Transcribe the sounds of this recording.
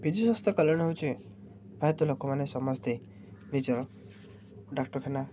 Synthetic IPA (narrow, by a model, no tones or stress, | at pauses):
bʱid̪isɔst̪ɔkɔlɔɽ̃ɔɦowt͡ʃʰi | bʰʱajt̪ɔlokɔmanesɔmɔst̪ej | nid͡ʒɔɾ | ɖakʈɔɾkʰena